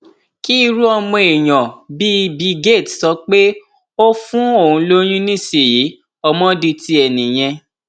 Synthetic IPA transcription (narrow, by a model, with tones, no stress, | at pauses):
ki˦˧ɾu˦ɔ˧mɔ̃˧e˨j̃ɔ̃˨bi˦˧bi˨˦ɡe˦˨tsɔ˧˦k͡pe˦ | o˦fũ˦o˦˨ũ˧˦lo˦j̃ĩ˦nĩ˦˨si˨ji˨˦ | ɔ˧mɔ̃˦di˧ti˧ɛ˨nĩ˨j̃ɛ̃˧